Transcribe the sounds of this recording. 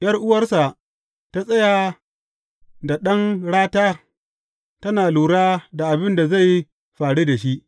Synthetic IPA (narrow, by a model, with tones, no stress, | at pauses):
jɐ˦rʔʊ˦wɐ˨rsa˨ | ta˦sʼɐ˦ja˨ | da˨ɗɐ˦ŋɽaː˦taː˦ | tɐ˦naː˨luː˨ɽaː˦da˨ʔa˨bɪ˦nda˨za˦˨j | ɸaː˨ɽi˦da˨ʃi˦ʔ